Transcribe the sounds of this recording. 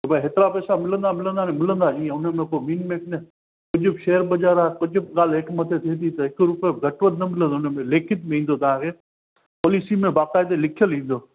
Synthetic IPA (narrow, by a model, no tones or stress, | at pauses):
t̪ɐbɐɦet̪ɪɾapɛːsamɪlə̃nd̪amɪlə̃nd̪aːnemɪlə̃nd̪aʔĩẽʊnəmeə̃poːmiːnmẽkne | kʊd͡ʑʱʊbʃeːəɾbɐd͡ʒaːɾaːkʊd͡ʑʱʊbɠaːlɦɪkmɐt̪ʰet̪ʰit̪it̪ɐɦɪkɾuːpeɡʱɐʈʋəd̪̚nɐmɪlə̃nd̪oʊnəmẽleːkʰɪt̪meĩːn̆d̪ot̪ɐʋ̤ãːkʰeː | poːliːsimẽbaːkaːɪd̪elɪkʰijəlĩːnd̪oː